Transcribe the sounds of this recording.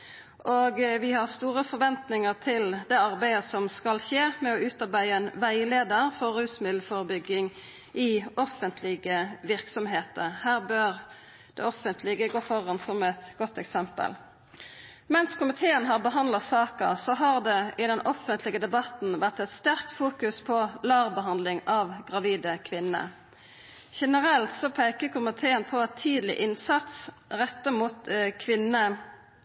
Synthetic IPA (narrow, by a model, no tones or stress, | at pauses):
ʔoːɡʋɪhɑʁst̪uːʁəfɔɾʋɛnt̪nɪŋəʁt̪ʰɪld̪ɛɑʁbæɪəsɔmskɑlʃeːmɛɔʉːt̪ɑʁbæɪəɛnʋæɪleːd̪əɾfɔɾːʉːsmɪd̪l̩fɔʁbʏɡːɪŋ | ʔɪɔfənt̪ʰlɪɡəʋɪʁksɔmɦeːt̪əɾhæːʁbøːɾ | d̪̥ɛ̰ɔfənt̪ʰlɪɡəɡoːfɔʁɑnsɔmɛt̪ɡɔt̪ːɛksɛmpə̰l | mɛnskʰʊmɪt̪ʰeːənɦɑʁbəɦɑnd̪lɑsɑːkəsɔɦɑʁd̪ɛɪd̪ɛnʔɔfənt̪ʰlɪɡəd̪ɛbɑt̪n̩ʋæʁt̪ɛt̪st̪æʁk̚t̪fuːkʉspʰɔlɑːʁbəɦɑnd̪lɪŋɑʋɡʁɑʋiːd̪əkʰʋɪnːə̰ | ʃɛnəʁɛlt̪sɔpʰæɪkəkʰʊmɪt̪ʰeːənpʰɔɛt̪ʰiːd̪lɪ̰ʔɪnsɑt̪s | ʁɛt̪ːəmuːt̪kʰʋɪnə